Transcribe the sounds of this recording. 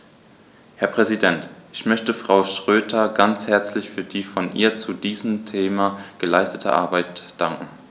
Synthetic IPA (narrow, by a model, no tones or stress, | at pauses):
hɛɐpʁ̥ɛzidɛntʔɪçmœçtəfʁ̥aʊʃʁ̥øːtʰɐɡant͡shɛɐt͡slɪçfyːɐdiːfɔnʔḭːɐt͡sudiːzəmtʰeːmaɡ̥əlaɪstətʰə̰ʔa̰ɐbaɪtd̥aŋkŋ̩